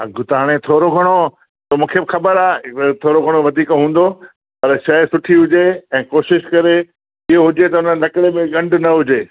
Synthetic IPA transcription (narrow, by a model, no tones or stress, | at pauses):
ɐɡʱʊt̪aːɽ̃et̪ʰoːɾoɡʱɐɽ̃o | somũːkʰebɪxɐbəɾaːet̪ʰoːɾoɡʱɐɽ̃oʋɐd̪ʱiːkɦũːn̆d̪o | pɐɾʃɐsʊʈʰiɦʊd͡ʑeɛ̃ːkoːʃɪʃkɐɾe | ɪɦoɦʊd͡ʑet̪ɐʊnənlɐkɪɽemẽɠɐ̃ɳɖnɐɦʊd͡ʑeː